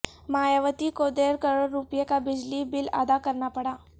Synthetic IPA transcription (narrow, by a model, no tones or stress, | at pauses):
majaʋət̪ikod̪eɾkəɾoɾːupjekabid͡ʑlibila̰d̪akəɾɳapəɽa